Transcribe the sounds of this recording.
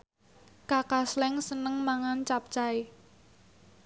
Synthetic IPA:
kakaslɛŋsənəŋmaŋant͡ʃap̚t͡ʃae

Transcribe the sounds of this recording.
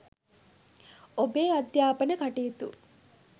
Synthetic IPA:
obeːɐd̪jaːpɐnəkɐʈeːt̪ṵ

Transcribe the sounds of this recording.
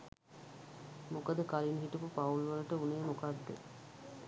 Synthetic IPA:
mokəd̪əkalinɦiʈupupaulʋələʈəunejmokad̪ːḛ

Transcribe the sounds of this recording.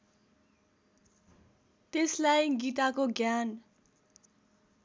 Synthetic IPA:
t̪eslajɡit̪akoɡjan

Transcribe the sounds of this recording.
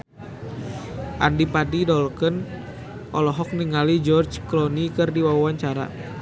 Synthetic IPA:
ʔandipadidɔlkən | ʔɔlɔɦɔk̚niŋalid͡ʒɔrd͡ʒklɔnikɨrdiwawawaɲt͡ʃaɾa̰

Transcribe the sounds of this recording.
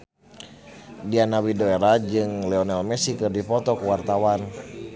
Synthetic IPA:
dianawidoeɾad͡ʒɨŋlɛɔnɛlmɛsikɨrdifɔt̪ɔkuwart̪awan

